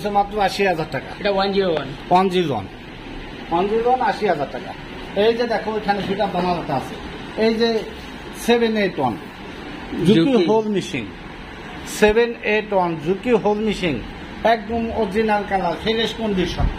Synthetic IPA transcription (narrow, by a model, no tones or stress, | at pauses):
sʰemat̪ːɾoaʃiɦazaɾʈaka̰eʈawand͡ʒiɾowanwand͡ʑilwa̰n | and͡ʑilwanaʃiɦad͡ʑaɾʈaka̰ | ejd͡ʑed̪ɛkʰoejkʰanebiʈad̪amaloʈaasʰe | ejd͡ʑe | sebʱeneʈwan | d͡ʑut̪iɦolmiʃḭŋ | sebeneʈwand͡ʑut̪iɦolmiʃiŋ | ɛk̚dumod͡ʑinaŋkalalfeɾeʃkond̪iɾʃɔ̰n